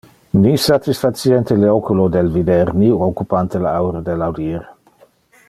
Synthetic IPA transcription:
nisat̪isfasjɛnt̪eleokulod̪elvid̪ɛɾniokupant̪elaawɾad̪elawd̪iːɾ

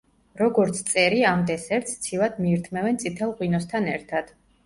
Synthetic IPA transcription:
ɾɔɡɔɾt̪sʰt̪sʼɛɾiamd̪ɛsɛɾt̪sʰt̪sʰilˠad̪miːɾt̪ʰmɛvɛnt̪sʰʼit̪ʰɛlˠʁwinɔst̪ʰanɛɾt̪ʰad̪̥

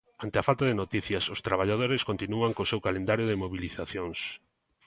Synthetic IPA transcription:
ant̪ɪafalt̪aðenot̪iθjɐsʊst̪ɾaβ̞aʎað̞oɾɪskont̪inuaŋkosewkalẽnd̪aɾjoðemoβiliθaθjoŋs

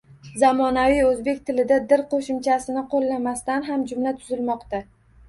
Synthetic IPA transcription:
zamɒnavijɵzbe̞kʲt̪ʰɪlɪd̪ad̪ɪɾqʰoʃɪmt͡ʃʰasɪnɪqʰolːamast̪anɦamd͡ʒʊmlat̪ʰʊzɪlmɒqt̪a

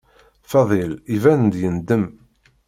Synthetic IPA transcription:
fɑðˤilivænnd̪jənd̪əm

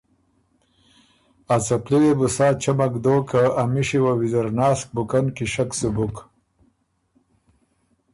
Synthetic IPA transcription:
at͡sɐpliwebusaːt͡ɕɐmɐkd̪oːkʰaːmiɕiwawizɐɾnaːsk̚bukɐnkiɕɐksubuk

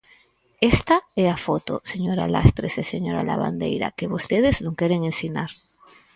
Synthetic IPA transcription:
est̪aeafot̪o̰seɲoɾa̰la̰st̪ɾeseseɲo̞ɾa̰la̰βa̰nd̪ḛjɾa̰keβo̞st̪eðeznũŋkeɾeŋẽnsinaɾ

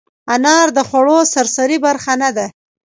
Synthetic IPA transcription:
anɑɾd̪əxwaɽosaɾsaɾibaɾxanad̪a

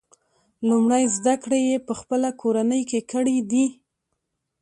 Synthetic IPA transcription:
lumɽajzd̪akɽejepəxpəlakʰoɾanəjkekəɽid̪i

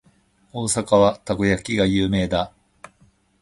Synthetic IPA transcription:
o̞ːsakaβat̪aɡojakʲiɡajɯːme̞ːd̪a

